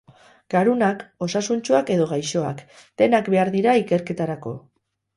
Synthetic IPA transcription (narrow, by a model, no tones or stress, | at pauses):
ɡ̥aɾunako̞sasunt͡ʃuake̞ðo̞ɣ̞ajʃo̞a̰kd̪̥e̞nakbe̞aɾðiɾaike̞ɾke̞t̪aɾako̞̰